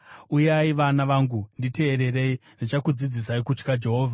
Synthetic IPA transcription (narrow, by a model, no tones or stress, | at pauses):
ujaiʋanaʋaŋɡundite̞ːɾe̞ɾe̞indit͡ʃakud͡zid͡zis̬aikut͡ʃkad͡ʒe̞ɦo̞ːvʱa